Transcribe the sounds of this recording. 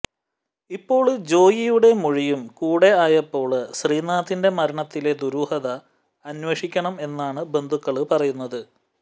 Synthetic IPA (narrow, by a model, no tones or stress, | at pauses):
ipːo̞ːɭd͡ʑo̞ːjijuɽe̞muɻijumkuːɽe̞aːjɐpːo̞ːɭɨɕriːnaːt̪ːinde̞mɐɾɐɳɐt̪ːile̞d̪uɾuːhɐðɐː | nweʂikʲːɐɳɐme̞nːaːɳɨbe̞nd̪ʱukːɐɭɨpɐrɐjunːɐðɨ